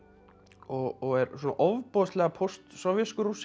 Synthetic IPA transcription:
ɔɣɔɣɛɾsɔnaʔɔvpɔst̪lɛːɣapʰɔwst̪sɔwvjɛskʏɾus

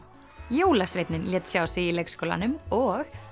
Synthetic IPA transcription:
joːwlasvɪt̪nɪnljɛːt̪sjawsɪilejkskowla̰nʏmɔɣ

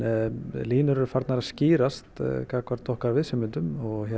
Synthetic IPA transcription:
liːnʏɾɛɾʏ̥faɾt̪naɾaðsciːɾast̪kʰakvaɾt̪ʰɔhkaɾvɪðsɪmʏnt̪ʏmɔɣhɛ

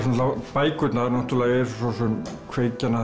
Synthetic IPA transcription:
sunːt̪apajkʏt̪naɾnoht̪ulajeːsusɔsʏn | kʰvejcːana

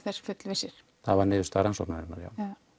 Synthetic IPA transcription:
θɛsfʏt̪lvesɪɾ̥ | θaðvaɾnɪːðʏst̪aɾansɔ̰k̪naɛnaɾja̰ːw

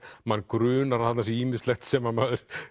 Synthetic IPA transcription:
manːkɾʏːnaɾhat̪nasɛiːmɪ̥st̪lɛxt̪sɛmːanmaːðʏɾ̥

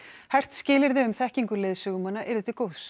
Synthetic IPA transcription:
hɛjr̥t̪scɪːlɪɾðɪʏmθɛhciŋkʏlɪːðsʏɣʏmanːaʔɛɾðɪt̪ːɪkoːws

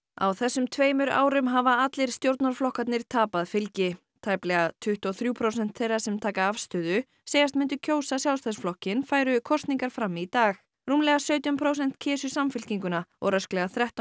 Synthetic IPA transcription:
a̰wθɛsːʏmt̪ʰveːjmʏɾa̰ːwɾʏmɦavaat̪lɪɾ̥st̪jowɾt̪naɾ̥flɔhkat̪nɪɾ̥t̪ʰaːpaðfɪlcɪ | t̪ʰaːjplɛɣat̪ʰʏht̪ɔθɾjuːpʰɾowsɛn̥t̪θejrḁsɛmt̪ʰaːkaafst̪ʏːðʏ | seːjast̪mɪnt̪ʏcʰoːwsasjaw̪st̪asflɔhcɪnfaːjɾʏkʰɔst̪niŋkaɾ̥fɾamːit̪aːx | ruːmlɛɣasœɥt̪jʏmpʰɾoːwsɛn̥t̪cʰɛːsʏsamfɪlciŋkʏnaɔ̰ɾœsklɛɣaθɾɛht̪

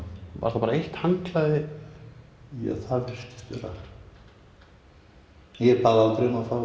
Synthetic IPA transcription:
va̰ɾ̥θapaɾaejht̪haŋklaðɪ | ja̰θaɾvɪ̥st̪ɪ̥ft̪vɛ̰ɾa̰ | jɛɾpaːðalt̪ɾemafa

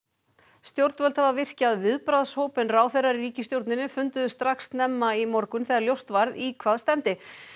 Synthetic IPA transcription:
st̪jowɾt̪vœlt̪ʰavavɪr̥caðvɪðpɾaðshowpɪnraːwθɛjraɾriːcɪst̪jowɾt̪nɪnːʏfʏnt̪ʏðʏst̪ɾaksnɛmːaimɔɾkʏnθɛɣaɾljowst̪vaɾðikʰvaːðst̪ɛmt̪ɪ

